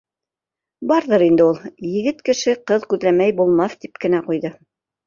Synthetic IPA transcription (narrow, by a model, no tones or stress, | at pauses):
bɑɾðɤɾind̪ɘulˠjɘ̆ɡɘt̪kɘ̆ʃɘqɤðkʉðlæmæjbulˠmɑθt̪ip̚kɘ̆næqujðɤ